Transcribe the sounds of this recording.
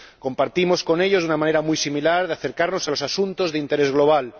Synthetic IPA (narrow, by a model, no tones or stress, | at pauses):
ko̞mpaɾt̪imo̞sko̞neʎo̞zðunamãneɾamujsimilaɾð̞eaθe̞ɾkaɾno̞salo̞sasunt̪o̞zðeint̪e̞ɾe̞zɣlo̞β̞al